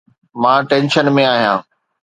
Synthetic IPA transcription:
mãːʈẽːnʃənmẽaːɦijãː

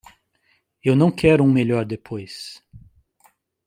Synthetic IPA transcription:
ewnɐ̃w̃kʰɛɾʊũmeʎɔɾd̪epʰojs

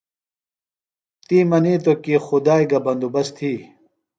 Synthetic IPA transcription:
t̪iːmɐniːt̪̬okiːxud̪aːiɡɐbɐnd̪ubɐst̪ʰiː

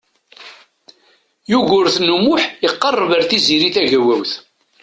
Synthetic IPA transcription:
juʝʊɾθnumʊħiqːɑrˤːvəɾθiziɾiθæʝæwæwθ

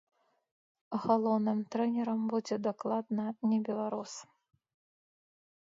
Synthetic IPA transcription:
ɣalˠɔwnɨmt̪ɾɛnʲɛɾɐmbud͡zʲɛd̪aklˠad̪nɐnʲɛbʲɛlˠaɾus

